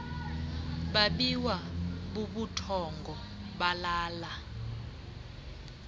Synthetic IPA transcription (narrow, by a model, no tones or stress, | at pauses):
ɓaɓiwaɓuɓutʰɔŋɡʱɔ | ɓalaːla